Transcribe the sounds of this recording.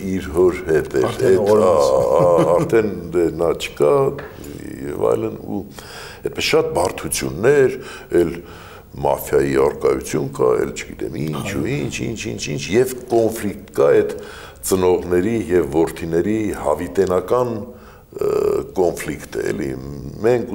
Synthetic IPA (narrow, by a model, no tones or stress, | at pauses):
iɾɦɔɾhɛt̪ɛɛɑɑɑɾt̪ʰɛnd̪ɛnɑt͡ʃʰə̥kɑ | jɛ̰vɑ̰jlənṵ | ɛt̪̚pɛsʃɑt̪̚bɑrt̪ʰut͡sʰjunːɛɾ | ɛl | mɑ̰fjɑjiɑrkɑjut͡sʰjunkɑɛ̰lt͡ʃʰəɡit̪ɛ̰mint͡ʃʰuint͡ʃʰint͡ʃʰint͡ʃʰint͡ʃʰjɛvkɔnflikt̪kɑɛt̪ | t͡sənɔʁnɛɾijɛvːɔɾt̪ʰinɛɾihɑvit̪ɛnɑkɑn | kɔnflikt̪ə̰ɛ̰lḭmɛŋkʰ